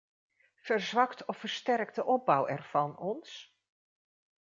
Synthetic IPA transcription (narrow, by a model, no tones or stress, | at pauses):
v̥əɹzʋɑktɔfəɹstɛɹk̚dəʔɔb̚bʌwɛɹv̥ɑnɔns